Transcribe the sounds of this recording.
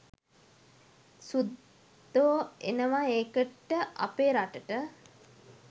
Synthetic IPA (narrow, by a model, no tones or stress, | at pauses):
sud̪ː | oːenəʋaeːkəʈːəʔa̰peːɾaʈəʈə